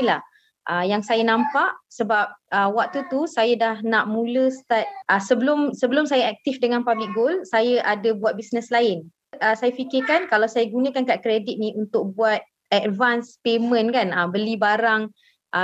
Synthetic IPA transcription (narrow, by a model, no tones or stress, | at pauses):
lah | ʔəjaŋsajanãmpaʔsəbap̚əwak̚t̪ut̪usajadahnaʔmũləst̪at̪̚ʔəsəbəlʊmsəbəlʊmsajaak̚t̪ifdəŋãnpablɪk̚ɡolsajəʔadabuat̪̚bisnəslaɪn | əsajafikɪkankalawsajaɡunə̃kankaʔkɾedit̪̚niʔunt̪ʊk̚buat̪̚ | ɛdvanspemə̃nkanəbəlibaɾaŋ | ʔə